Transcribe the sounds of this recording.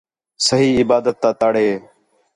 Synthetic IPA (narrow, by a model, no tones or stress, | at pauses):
səɦiːɪbaːd̪ət̪ːãːt̪aːɽeː